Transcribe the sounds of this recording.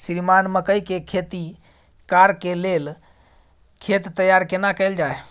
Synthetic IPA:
sɾimanməkəjkekʰet̪i | kaɾkelel | kʰet̪ːəjaɾkenakəɪld͡ʒae

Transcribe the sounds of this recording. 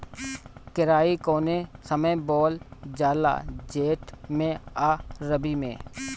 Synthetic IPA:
kɪɾaːikoːnesəməbɔːld͡ʒaːla̰ːd͡ʒeːʈmẽaːɾəbimḛ̃ː

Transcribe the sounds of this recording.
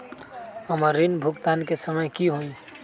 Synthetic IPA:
həməɾːinbʱukt̪ankesəməjkiɦoĩ

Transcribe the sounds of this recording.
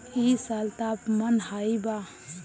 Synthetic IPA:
isalt̪apmənhajba

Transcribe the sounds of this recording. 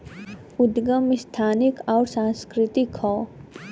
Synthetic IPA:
ʊd̪ɡəmɪst̪ʰaːnɪkɔːɾsãːskɾɪt̪ɪkhɔː

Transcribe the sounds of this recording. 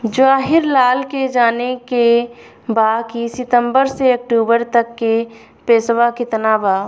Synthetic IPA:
d͡ʒaːɦɪɾlaːlked͡ʒaːneke | baːkisɪt̪ə̃mbəɾseɐk̚ʈuːbəɾt̪əkːe | peːsʋakɪt̪nabaː

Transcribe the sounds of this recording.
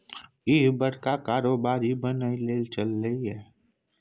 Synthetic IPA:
ɪɦbəɽkakaːɾoːbaːɾibənaileːlt͡ʃəlːəiɦɛː

